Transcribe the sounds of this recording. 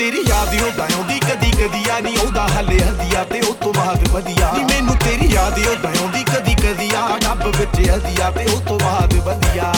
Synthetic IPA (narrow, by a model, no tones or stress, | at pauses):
t̪eːɾiːjaːd̪eoːb̪ɛõːd̪iːkəd̪iːkəd̪iːjaːnĩːoːd̪aːɦəleːəzɪjaːt̪eːot̪õːbaːd̪bəd̪ɪjaːnĩːmɛ̃ːnũːt̪eːɾiːjaːd̪ejoːp̪ɛõːd̪iːkəd̪iːkəd̪iːaːnabbɪt͡ʃːeːəzɪjaːt̪eːʊt̪õːbaːd̪bənd̪ɪjaː